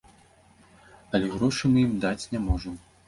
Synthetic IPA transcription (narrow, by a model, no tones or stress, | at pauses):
ɐlʲɛɣɾɔʂɨmɨjimd̪at͡sʲnʲamɔʐɐm